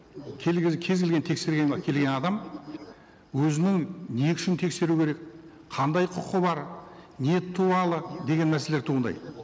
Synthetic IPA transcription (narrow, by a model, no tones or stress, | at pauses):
kʲʰkʲʰe̞zɡʲelɡʲe̞nt̪ʰe̞kse̞ɾɡʲenkʲʰe̞lɡʲe̞nɑd̪ɑm | wɵzɪnɪŋnejkʰʲɪ̥ʃɪnt̪ʰe̞kse̞ɾukʲʰeɾe̞k̚ | qʰɑnd̪ɑjqʰʊqəbɑɾne̞t̪ʰːuɑlˠəd̪e̞ɡʲe̞nmæɾsele̞ɾt̪ʰuːʁənd̪ɑ̰j